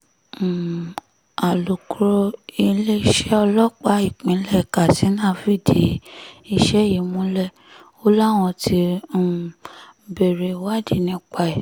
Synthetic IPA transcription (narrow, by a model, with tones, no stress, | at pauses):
a˨lu˨kɾo˧i˧le˦ʃɛ˦ɔ˧lɔ˦k͡pa˦i˦˨k͡pĩ˨˦lɛ˦˨ka˨si˨˦nãː˦˨fi˦˨di˨˦i˧ʃɛ˦˨ji˨mũ˦lɛ˦˨ | o˦la˦w̃ɔ̃˧tʰi˧˦˨ | be˨ɾe˨wa˦di˦˨nĩ˧˦k͡pa˧ɛ˨